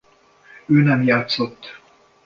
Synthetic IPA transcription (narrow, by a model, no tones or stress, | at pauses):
øːnɛmjaːt̪sot̪ː